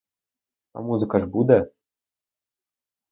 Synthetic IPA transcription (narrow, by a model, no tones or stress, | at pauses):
a̰muzɨkaʐbud̪ə